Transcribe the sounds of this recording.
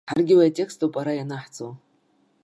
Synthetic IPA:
ħarɡʲɪwajatʼe̞kstʰʼopʼaɾajanaħt͡sʰʼo̰w

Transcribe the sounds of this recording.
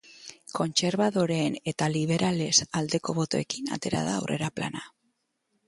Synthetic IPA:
ko̞nt͡se̞ɾβaðo̞ɾe̞ːne̞t̪aliβ̞e̞ɾʔale̞sald̪e̞ko̞βo̞t̪o̞e̞kina̰t̪e̞ɾa̰ða̰ːwre̞̰ɾapla̰na

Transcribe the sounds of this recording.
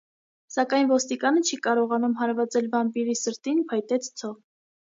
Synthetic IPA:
sɑkɑjnvɔst̪ikɑnət͡ʃʰikɑɾɔʁɑnumɦɑɾvɑt͡sɛlvɑmpiɾisəɾt̪inpʰɑjt̪ɛt͡sʰt͡sʰɔ

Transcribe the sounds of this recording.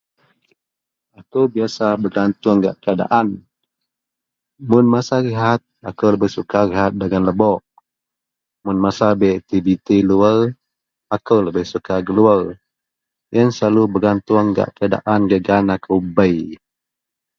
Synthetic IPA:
akəwbiasabəɡant̪ʊŋɡa̰ʔkəada̰ʔan | mʊnmasaɾiɦat̪̚akəwləbəhsukaɾiɦat̪̚dəɡanləbɔʔ | mʊnmasabɛt̪ibit̪iluəl | akəwləbəhsukaɡəluər | jənslalubəɡant̪ʊŋɡa̰ʔkəada̰ʔanɡəɡanakʰəwbəj

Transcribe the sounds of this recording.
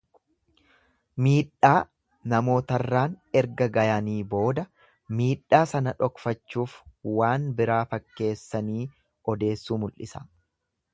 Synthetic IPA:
miːᶑːaː | nɐmo̞ːt̪ɐrːaːnɛɾɡɐɡɐjɐniːbo̞ːd̪ɐ | miːᶑːaːsɐnɐᶑɔkfɐt͡ʃːuːfwaːnbɪɾaːfɐkːe̞ːsːɐniː | ɔd̪e̞ːsːuːmʊlʔɪsɐ

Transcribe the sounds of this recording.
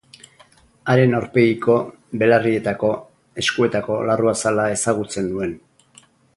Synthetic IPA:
aɾe̞naɾpe̞iko̞ | βe̞larie̞t̪ako̞ | e̞skue̞t̪ako̞laruasalae̞saɣ̞ut͡se̞nd̪ue̞n

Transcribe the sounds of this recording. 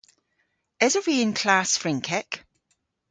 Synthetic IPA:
ɪzəɹẽnkʰl̥asfɹɪ̃ŋkʰɛk

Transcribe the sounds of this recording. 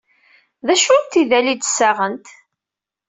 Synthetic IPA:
ðæʃunt̪iðælid̪sːaʁənt̪

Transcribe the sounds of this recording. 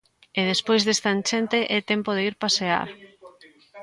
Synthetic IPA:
eðespojzðest̪ant͡ʃent̪eʔɛt̪ɛmpoðeiɾpasea̰ɾ

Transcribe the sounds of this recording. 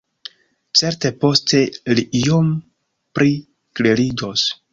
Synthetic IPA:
t͡seɾte̞po̞stʰe̞liʔijom | pɾʔi | klelid͡ʒos

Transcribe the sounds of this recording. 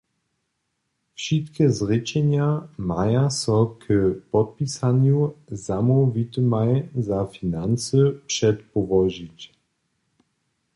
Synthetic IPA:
fʃitkəzʁɪt͡ʃɛnjamajasɔkʰəpɔt̚pisanjuzamovit̪əmajzafinant͡səpʂɛtpɔvɔʒit

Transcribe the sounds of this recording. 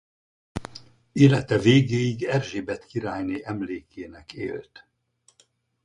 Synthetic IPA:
eːlɛt̪ɛveːɡeːiɡɛrʒeːbɛt̪kiɾaːjniʔɛmleːkʰeːnɛkḛːlt̪

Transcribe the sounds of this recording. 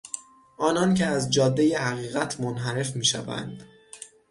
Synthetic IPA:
ʔɒːnɒncʰeæzd͡ʒɒːd̪ːeje̞hæɣiːɣæt̪ʰmonɦæɾe̞fmiːʃæ̰væ̰nd̪̥

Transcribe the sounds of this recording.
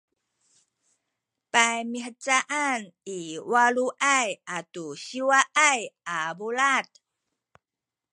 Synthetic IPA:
pajmiħət͡saʔaniwaluʔajʔatuɕiwaʔajabolat̚

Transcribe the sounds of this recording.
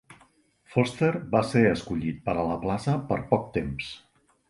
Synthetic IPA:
fɔst̪erbaseəskuʎit̪̚pəɾələplasəpəɾpɔk̚t̪ems

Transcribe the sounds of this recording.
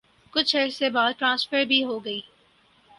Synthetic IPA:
kʊt͡ʃʰɐsebaːd̪̚ʈɾãːnsfəɾbʱiɦoɡɐiː

